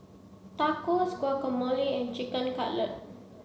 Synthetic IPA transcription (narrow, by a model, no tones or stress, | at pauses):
takoskwakɔməliɛ̃nt͡ʃikə̃nkaʔlət̚